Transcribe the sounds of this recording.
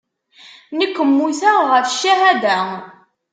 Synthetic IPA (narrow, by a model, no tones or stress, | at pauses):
nəkʷːəmːuθæʁəfʃːæɦæd̪æ